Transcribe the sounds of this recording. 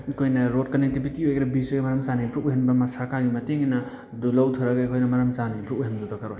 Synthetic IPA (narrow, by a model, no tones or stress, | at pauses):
kʰojnɐɾodkɐnek̚tibitiojɡeɾɐbisojɡemɐɾɐmt͡ʃanipʰɾuk̚uɦenbɐmɐsɐɾkaɾɡimɐteŋinɐ | dulawtʰɯɾaɡajkʰojnɐmɐɾɐmt͡ʃanipʰɾuk̚uɦendutʰɔkʰaɾoj